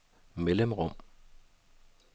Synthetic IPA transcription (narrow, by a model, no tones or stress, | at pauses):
meləmʁɔm